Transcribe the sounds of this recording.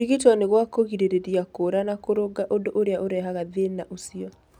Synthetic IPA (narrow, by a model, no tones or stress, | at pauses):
iɣitwɔneɣwakoɣiɾeɾeɾjakoɾanakoɾoɡaʔodoʔoɾeaʔoɾɛɦaɣaðenaʔosiɔ